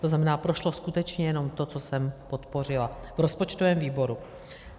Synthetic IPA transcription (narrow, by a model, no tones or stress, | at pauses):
t̪oznamɛnaːpɾoʃlo̞skut̪ɛt͡ʃɲɛjɛno̞mt̪o̞t͡so̞sɛmpo̞t̪po̞r̝ɪlavɾo̞spot͡ʃt̪ovɛːmviːbo̞ɾu